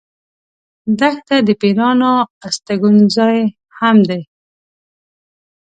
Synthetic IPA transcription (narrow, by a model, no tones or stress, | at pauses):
d̪axt̪ad̪əpeɾɑnoast̪aɡunzɑj | hamd̪e